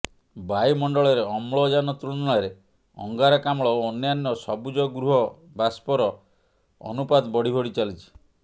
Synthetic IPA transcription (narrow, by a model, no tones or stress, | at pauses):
bajmɔɳɖɔɭɔɾeɔmɭɔd͡ʒanɔt̪ɾuɽɔɽaɾe | ɔ̰ŋɡaɾakamɭɔːnjanjɔsɔbud͡ʒɔɡɾuɦɔ | baspɔɾɔ | ɔ̰nupad̪bɔɽ̤ibʱɔɽit͡ʃalit͡ʃʰi̥